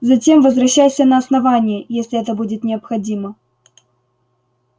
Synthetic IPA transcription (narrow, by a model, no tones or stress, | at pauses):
zɐtʲe̞mvəzvrɐɕːajsʲənəɐsnɐvanʲɪjəjesʲlʲɪɛt̪əbudʲɪt̪nʲɪɐpxɐdʲimə